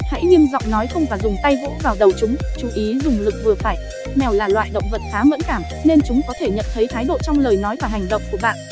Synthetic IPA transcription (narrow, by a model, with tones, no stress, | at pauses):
ha̰˧˥jɲi˧əmzɔ̰˧˨wŋ͡mnɔ˨˦jxə˧wŋ͡mvaː˨˩zʊ˨˩ŋ͡mt̪a˧jvo̰˧˥vaː˨˩wɗə˨˩wt͡ɕʊ˨˦ŋ͡mt͡ɕu˧˩ʔi˨˦zʊ˨˩ŋ͡mlɨ˨˩k̚vɨ˨˩əfaː˧˩j | mɛ˨˩wlaː˨˩lwa̰ː˧˨jɗə̰˧˨wŋ͡mvə˨˩t̚xaː˨˦və̰˧˥nkaː˧˩m | ne˧nt͡ɕʊ˨˦ŋ͡mkɔ˨˦t̪ʰe˧˩ɲə̰˧˨nt̪ʰə˨˦jt̪ʰaː˨˦jɗo̰˧˨t͡ɕɔ˧wŋ͡mləː˨˩jnɔ˨˦jvaː˧˩ɦa˨˩jŋ̟ɗə̰˧˨wŋ͡mku˧˩əɓa̰ː˧˨n